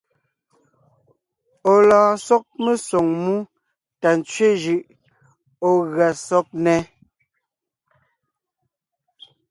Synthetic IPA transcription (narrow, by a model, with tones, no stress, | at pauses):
o˨lɔ̃ː˨sɔ˦k̚me˨sɔ˨ŋmu˦ | ta˨n˨t͡sɥe˦d͡ʒɯ˨ʔ | o˨ɣɰa˨sɔ˦k̚nɛ˦